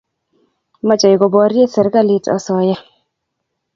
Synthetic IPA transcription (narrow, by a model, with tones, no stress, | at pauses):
ma˦t͡ʃɔ˨i˨ɡɔ˨bɔ˨˦ɾje˦sɛ˨ɾka˦˨lɪ˨tɔ̰˨sɔ˨ja˦